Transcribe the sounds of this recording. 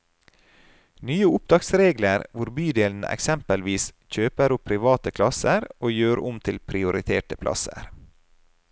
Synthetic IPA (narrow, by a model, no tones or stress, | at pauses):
nyːəʊp̚d̪ɑːksɾeːɡləɾʋʊɾbyːd̪eːln̩ə̰ʔɛ̰ksɛmpəlʋiːsçøːpəɾʊpʰɾɪʋɑːt̪əkʰlɑsəɾoːjøːɾʊmt̪ʰɪlpʰɾɪʊɾɪt̪ʰeːʈəpʰlʔɑ̰sə̰ɾ